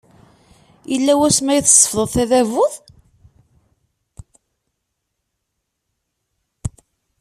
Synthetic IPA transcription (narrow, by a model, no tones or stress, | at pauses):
jəlːæwæsmæjəθsˤːə̥fðˤəðˤθæðævʊðˤ